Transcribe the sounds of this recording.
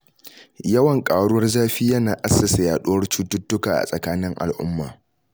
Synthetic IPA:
jɐ˦wɐ˨ŋkʼaː˨ɽʊ˦wɐ˦rzaː˦ɸiː˦jɐ˦naː˨ʔa˦sːɐ˨sa˨jaː˨ɗʊ˦wɐ˦rt͡ʃuː˦tʊ˦tːʊ˦kaː˨ʔa̰˨sʼɐ˨kaː˦nɪ˦ŋʔa̰˨lʔʊ̰˦mːaː˨

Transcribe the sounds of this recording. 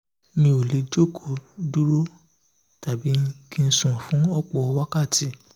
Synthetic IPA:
nĩ˧o˨le˨˦d͡ʒo˦˨kʰo˨du˦ɾo˦ | ta˨bi˨˦kĩ˧n̩˦sũ˨fũ˨˦ɔ˦k͡pɔ˧wa˦ka˦˨ti˨˦

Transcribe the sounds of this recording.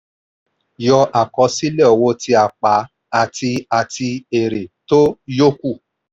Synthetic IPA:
jɔ˧ʔa˨kɔ˨˧˦si˦lɛ˦ɔ˨wo˧˦ti˧a˨k͡pa˨˦ | a˨ti˧a˨ti˧e˨ɾe˨to˦jo˦ku˦˨

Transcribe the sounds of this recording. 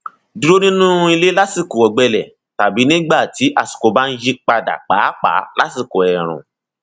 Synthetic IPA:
du˧ɾo˦nĩ˦nũ˦˧˦i˧le˦la˦si˦˨ko˨ɔ˨ɡ͡bɛ˧lɛ˨ | ta˨bi˨˦nĩ˦ɡ͡ba˦˨ti˨˦ʔa˦˨su̥˨ko˧ba˦n̩˦ji˦k͡pa˧da̰˨k͡pa̰ː˨˦k͡pa̰˨˦la˦si˦˨ko˨ɛ˨ɾ̃ṵ̃˨

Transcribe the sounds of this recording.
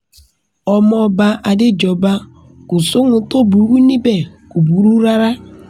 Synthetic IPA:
ɔ˨mɔ˦ba˦ʔa˨dɪ˦d͡ʒɔ˨ba˦ | kʊ˨sʊ˦ŋʊ˨to˦bu˨˦wi˦ni˦be˨ku˨bu˨˦ɾu˦ɾa˦ɾa˦

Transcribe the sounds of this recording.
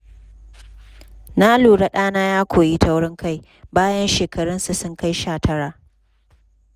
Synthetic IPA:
na˦luː˨ɽa˦˨ɗaː˦naː˦jaː˦kʷʰoː˨jiː˦ta˨wɽɪ˦ŋka˦˨j | baː˦jɐ˦nʃeː˨kɐ˨ɽʊ˦nsu˨sʊ˦ŋka˦jʃaː˦˨tʰɐ˦ɽaː˨ʔ

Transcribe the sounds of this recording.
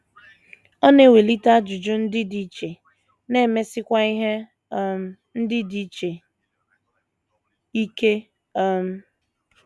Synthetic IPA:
ɔ˦ne˦˨we˨li˦ta˦d͡ʒʊ˨d͡ʒʊ˦n̩˦dɪ˦di˨˦t͡ʃe˨ | ne˦˨me˦sɪ˦kʷa˦i˦ɦe˦ | n̩˦dɪ˦di˦t͡ʃe˨ | i˦ke˦ | m̩˦

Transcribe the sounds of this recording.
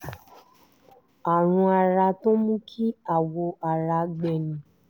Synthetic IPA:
a˨ɾ̃ũ˧a˨ɾa˧to˦mũ˦kʰi˦a˨wo˧ʔa˨ɾa˧ɡ͡bɛ˨nĩ˨˦

